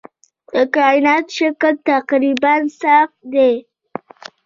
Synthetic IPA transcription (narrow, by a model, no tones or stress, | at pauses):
d̪̥əkɑjɪnɑt̪ʃəkəlt̪aqɾibansaft̪d̪e